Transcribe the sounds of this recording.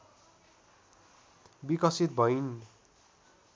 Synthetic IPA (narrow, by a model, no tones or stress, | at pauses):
bikʌsit̪̚bʱʌjn